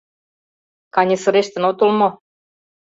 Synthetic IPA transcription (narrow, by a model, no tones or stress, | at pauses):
kɑnʲesɤ̆ɾeʃt̪ɘ̆not̪olmo